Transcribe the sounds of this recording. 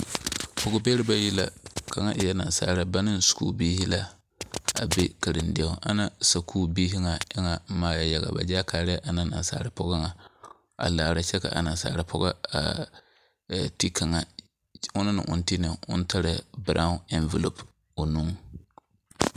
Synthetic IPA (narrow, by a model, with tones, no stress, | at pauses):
pʊ˨ɡʊ˦bɛ˦ɾɪ˦ba˦ji˦la̰˦kʰa˨ŋa˦ʔɪ˨ja˦na˨n˨sa̰ː˦˨ɾɨ˦ba˦nɨ˦nsu̥˨kṵː˦biː˦hi˦la˦ | a̰˨be˦ka˨ɾɨ˨ndɛ˦ʊ˦ʔa̰˨na˦sa˨kʰuː˦biː˦ɦi˦ŋa˨ɪ˦ŋa˨˦maː˨˦ja˨ja˨ɣa̰˨ba̰˨d͡ʒaː˦kaː˨ɾɪ˦ja˦ʔa˨na˦na̰˨n˦sa̰ː˦ɾɨ˨pɔ˦ɡa˦ŋa˨ | a̰˨laː˨ɾa˨t͡ʃɛ˦ka̰˨ʔa˨na˨nsa̰ː˨ɾɨ˨pʰɔ˦ɡa˦a̰˨ | ti˦ka˨ŋa˨ | ʊ˦nɨ˦nɨ̰˨ʔʊ̰˨n˦ti˦nɨ˨ʊ̰˦n˦tʰa˦ɾɨ˨bɾʔa˦ɛ˦nvɛ˨lo˨p | o˨nu˦ŋ